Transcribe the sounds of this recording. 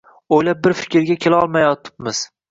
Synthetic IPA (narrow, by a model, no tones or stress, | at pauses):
ojlap̚bɪɾfɪ̥kʲɪɾɡʲakʲʰelaɒlˠmajɒt̪ʰɪ̥pmɪz̥